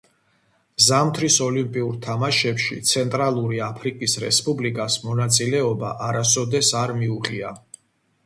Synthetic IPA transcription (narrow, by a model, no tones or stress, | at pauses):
zamt̪ʰɾisɔlimpʼiuɾt̪ʰamaʃɛpʃḭt̪sʰɛnt̪ʼɾalˠuɾiapʰɾikʼisɾɛ̰spʼublikʼasmɔnat̪sʼilɛɔba̰ʔaɾasɔd̪ɛsaɾmiuχʼia